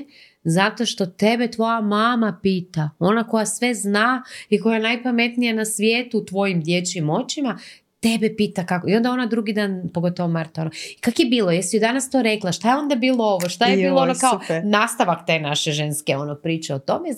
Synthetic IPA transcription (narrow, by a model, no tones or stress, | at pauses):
zat̪o̞ʃt̪o̞t̪e̞bet̪ʋo̞jamaːmapiːt̪ao̞nako̞jasʋe̞znaiko̞jajenajpame̞t̪nijanasʋjeːt̪uːt̪ʋo̞jimd̪jet͡ɕimo̞t͡ɕima | t̪e̞bepiːt̪akakoio̞nd̪ao̞nad̪ɾuɡid̪aːnpoɡo̞t̪oʋomaɾt̪aonoikakojebiːlojest̪ijod̪anast̪o̞ːɾe̞klˠaʃt̪ajeo̞nd̪abiːlˠo̞o̞ʋoʃt̪ajeiːloonokaonaːst̪aʋakt̪e̞ːnaʃe̞ʒenskeo̞nopɾiːt͡ɕeot̪o̞me